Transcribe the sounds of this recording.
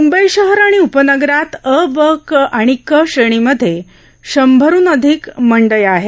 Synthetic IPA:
mumbəiɕəɦəɾaɽ̃iupənəɡɾat̪əbəkʔaɽ̃ikəɕəɽ̃iməd̪ʱːje | ɕəmbʱəɾuːnəd̪ʱikməɳɖəjaɦe

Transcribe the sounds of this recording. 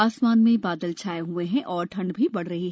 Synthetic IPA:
aːsmaːnmẽbaːd̪əlt͡ʃʰaːeɦueɦɛ̃ʔɔːɾʈʰɐ̃ɳɖbʱibɐɽɾɐɦiɦɛ

